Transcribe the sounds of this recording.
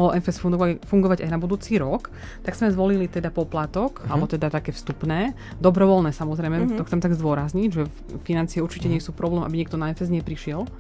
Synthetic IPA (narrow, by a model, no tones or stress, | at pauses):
ɔlɔʔɛnfɛsfufuŋɡɔʋaɟa̰jnabud̪uːt͡siːɾɔk | t̪aɡz̥mɛzʋɔlilit̪ɛd̪apɔplat̪ɔkalɛbɔt̪ɛd̪at̪akɛːfst̪upnɛː | d̪ɔbɾɔʋɔlnɛːsamɔzɾɛjmɛt̪ɔxt͡sɛmt̪aɡzd̪ʊɔɾazɲiɟʒɛ | finant͡siɛuɾt͡ʃicɛɲɪɛsuːpɾɔblɛːmʔa̰biɲɛk̚t̪ɔnaɛnfɛzɲɛpɾiʃɪɛl